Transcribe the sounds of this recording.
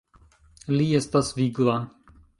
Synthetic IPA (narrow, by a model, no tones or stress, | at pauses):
liɛst̪asviɡla